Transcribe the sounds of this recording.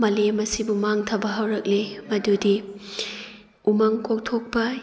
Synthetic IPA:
mɐlemɐsibumaŋtʰɐbɐɦɐwɾɐk̚limɐdudi | umɐŋkok̚tʰok̚pɐ

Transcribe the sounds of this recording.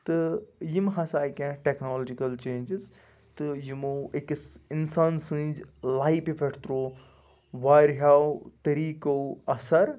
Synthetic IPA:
t̪ɨjimɦɐsaːjkãːʈeknoːlːd͡ʒikɐlt͡ʃẽːnd͡ʒiz | t̪ɨjimoːekisinsaːnsɨ̃ːzlaːipibʱeʈʰt̪ɾoː | ʋaːɾɦaːwt̪ɐɾiːkowɐsɐɾ

